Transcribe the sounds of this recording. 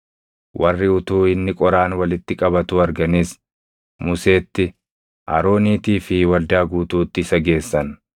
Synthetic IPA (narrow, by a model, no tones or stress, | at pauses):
wʔɐrːɪʊt̪uːɪnːɪkʼɔɾaːnwɐlɪt̪ːɪkʼɐbɐt̪uɐɾɡɐniːs | mʊse̞ːt̪ːɪ | ʔɐ̰ɾo̞ːniːt̪iːfɪwɐld̪aːɡuːt̪uːt̪ːɪɪsɐɡe̞ːsːɐn